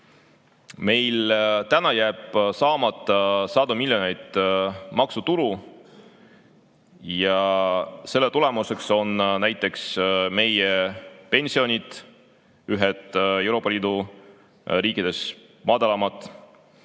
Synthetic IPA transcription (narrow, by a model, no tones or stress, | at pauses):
me̞jlt̪ænɑjæːb̥sɑːmɑt̪ːˑɑsɑːd̪umilʲjo̞ne̞jd̪̥mɑksut̪ulu | jɑ | se̞lːet̪ule̞muse̞kso̞nnæjt̪ˑːe̞ksme̞jepe̞nʲsio̞nʲid̪̥ | yɦed̪̥e̞wɾo̞ːpːˑɑlʲiːd̪̥u | riːkːˑid̪̥e̞s | mɑd̪ɑlɑmɑt̪ːˑ